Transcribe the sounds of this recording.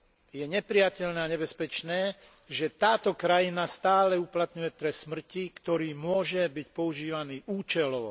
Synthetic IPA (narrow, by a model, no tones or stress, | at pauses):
jɛɲɛpɾɪjacɛʎnɛːaɲɛbɛspɛt͡ʃnɛː | ʒɛt̪aːt̪ɔkɾajinast̪aːlɛuplat̪ɲujɛt̪ɾɛsːmr̩cikt̪ɔɾiːmʊɔʒɛbicpɔuʒiːʋaniːuːt͡ʃɛlɔʊ